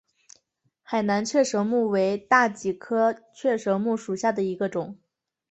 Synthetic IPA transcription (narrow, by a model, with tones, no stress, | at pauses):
xa˨˩ɪna˧˥nt͡ɕʰɥɛ˥˩ʂɤ˧˥ʊmu˥˩we˧˥ɪt̪a˥˩t͡ɕi˨˩kʰɤ˥t͡ɕʰɥɛ˥˩ʂɤ˧˥ʊmu˥˩ʂu˨˩ɕja˥˩d̪ə˩i˧˥ɡə˧ʈ͡ʂʊ˨˩˦ŋ